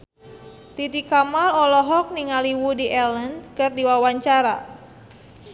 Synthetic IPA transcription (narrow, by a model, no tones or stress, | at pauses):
t̪it̪ikamalɔlɔɦɔk̚niŋaliwudiʔɛlənkɨrdiwawaɲt͡ʃaɾa̰